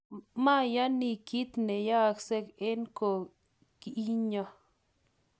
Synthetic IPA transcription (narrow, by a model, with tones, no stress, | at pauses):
ma˦˨ja˦ni˧ki˦t̪ne˨ja˦kse˦ke˦nko˧ | ki˦ɲa˧